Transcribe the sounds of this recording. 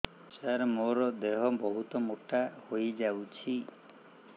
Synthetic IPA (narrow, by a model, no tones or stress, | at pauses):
t͡ʃaɾmoɾɔd̪eɦɔbɔɦut̪ɔmoʈahojd͡ʒawt͡ʃʰi